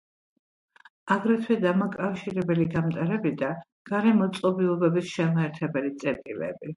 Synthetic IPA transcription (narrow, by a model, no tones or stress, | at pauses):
aɡɾɛt̪ʰwɛd̪amakʼafʃiɾɛbɛliɡamt̪ʼaɾɛbid̪a | ɡ̥aɾɛmɔt̪sʼɔbiɔbɛbisʃɛmɛɾt̪ʰɛbɛlit̪sʼɛɾt̪ʼilɛ̰bi